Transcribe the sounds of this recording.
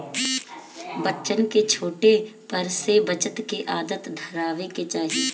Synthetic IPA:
bətːt͡ʃənket͡ʃʰoːʈepɐɾsebət͡ʃət̪keʔaːd̪ət̪d̪ʱəɾaːʋeket͡ʃaːɦie

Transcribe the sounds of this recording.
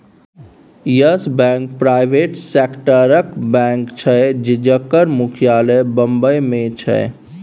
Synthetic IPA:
jəsbɛ̃ŋk̚pɾajbʱeʈsekʈəɾəkbɛ̃ŋkt͡ʃʰəd͡ʒed͡ʒəkːəɾmukʰijaləbəmbəjmẽt͡ʃʰə̰

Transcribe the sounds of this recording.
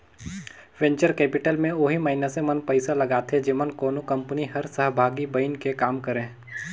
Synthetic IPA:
wẽɲt͡ʃəɾkɛːpɪʈəlmẽʊɦimɐinasemɐnpɐɪsalɐɡaːt̪ʰed͡ʒɪmənkoːnokɐ̃mpniɦɐɾsəɦbʱaːɡibəɪnkekaːmkəɾẽː

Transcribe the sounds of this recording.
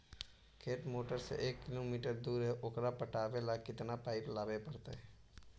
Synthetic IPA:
kʰeːʈmoːʈəɾsḛʔeːkːɪloːmiːʈəɾd̪uːɾɦeʔʊkɾaːpəʈaːʋeːlaːkɪt̪naːpaːɪplaːʋeːpəɾt̪ḛɛː

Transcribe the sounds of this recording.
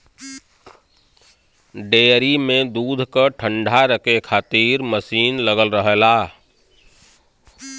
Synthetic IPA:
ɖeːɾimẽd̪uːd̪ʱkəʈʰə̃ɳɖʱaɾəkekʰaːt̪iːɾməsiːnləɡəlɾəɦelaː

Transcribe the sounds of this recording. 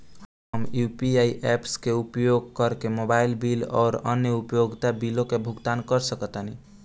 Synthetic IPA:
ɦ | əmjupiaiʔepskeupjoɡ̚kəɾkemobailbilɔ̰ːɾə̰njəupjoɡt̪abilõkebʱuɡt̪ankəɾsəkət̪əni

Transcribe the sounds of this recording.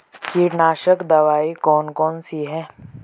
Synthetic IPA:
kiɾnaːʃəkd̪ɐʋaːikɔːnkɔːnsiɦɛ̃ː

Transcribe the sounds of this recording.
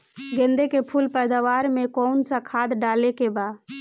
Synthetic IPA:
ɡẽnd̪ekepʰulpɛjd̪aʋaɾmẽkɔnsə̃kʰad̪ɖalekeba

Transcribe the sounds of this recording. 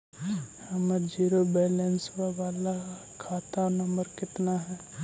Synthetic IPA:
hɐməd͡ʒiːɾobɛːlɛ̃nswaʋaːla | kʰaːt̪anɐmbəɾkɪt̪naɦɛː

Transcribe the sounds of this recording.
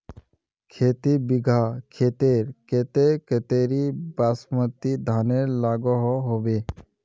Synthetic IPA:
kʰeːt̪ibiɡʱakʰeːt̪eɾket̪eket̪eɾibaːsmət̪id̪ʱaːneɾlaːɡɔɦɔɦobe

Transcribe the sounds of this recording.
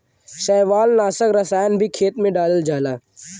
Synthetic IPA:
ʃɛːʋaːlnaːsəkɾɐsaːjənbʱikʰeːt̪mẽɖaːləld͡ʒaːlaː

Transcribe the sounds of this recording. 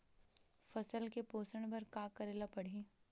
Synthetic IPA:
fɐsəlkepoːsəɽ̃bɐɾkaːkɐɾeːlapɐɽ̤iː

